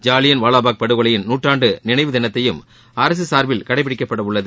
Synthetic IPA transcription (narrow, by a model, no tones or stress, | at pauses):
d͡ʒaːlɪjɐnʋaːɭaːbaːk̚pɐɽɯɣɐɭɐjɪnnuːʈraːɳɖɯnɪnɐɪʋɯd̪ɪnɐt̪ːɐjɯm | aːɾɐs̬ɯsaːɾbɪlkɐɽɐɪpːɪɽɪkːɐpːɐɽɐʋʊɭːɐðɯ